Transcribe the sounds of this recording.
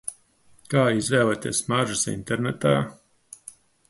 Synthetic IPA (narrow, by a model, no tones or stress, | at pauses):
kaːizvɛːlˠat̪ḭːsmaʒɨsḭnt̪eɾnɛt̪aː